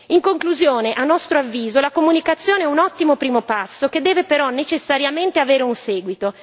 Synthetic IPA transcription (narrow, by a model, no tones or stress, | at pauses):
iŋkoŋkluzjoːneʔanːɔst̪ɾoavːiːzolakomunikat̪sːjoːneɛunɔt̪ːimopɾiːmopasːoked̪ːɛːvepeɾɔnːet͡ʃesːaɾjament̪eaveːɾeunsɛːɡwit̪o